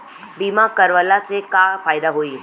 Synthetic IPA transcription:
biːmakɐɾʋəlasekafaːjd̪aɦoːi

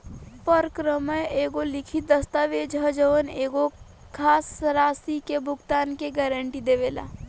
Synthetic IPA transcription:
pəɾkɾəməjeːɡolɪkʰid̪əst̪aʋed͡ʒʱəd͡ʒəʋəneːɡo | kʰaːsɾaːsikebʱʊɡt̪aːnkeɡɛːɾəɳʈid̪eʋeːla̰ː

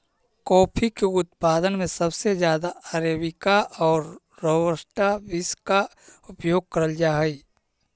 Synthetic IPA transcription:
kɔːpʰikeʊt̪paːd̪ənmẽsəbsed͡ʒjaːd̪aaɾeːbɪkaʔɔːɾː | əwəsʈabɪska | ʊpjoːɡ̚kəɾəld͡ʒaːɦɛi

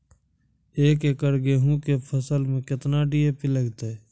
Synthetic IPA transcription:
eːkekəɾɡeɦũkepʰəsəlmẽkɪt̪naɖijepɪləɡt̪e

